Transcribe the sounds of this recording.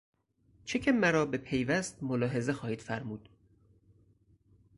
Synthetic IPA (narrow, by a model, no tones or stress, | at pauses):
t͡ʃʰecʰemæɾɒːbe̞pʰe̞jvæst̪molɒːɦe̞ze̞xɒːhiːd̪̥fæɾmuːd̪̥